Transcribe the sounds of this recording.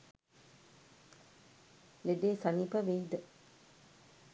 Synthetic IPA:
leɖeːsɐnipəʋed̪ə

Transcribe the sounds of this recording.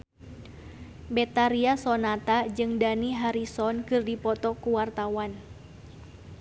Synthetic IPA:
bɛt̪aɾiasɔnat̪ad͡ʒɨŋdaniɦaɾisɔnkɨrdipɔt̪ɔkuwart̪awan

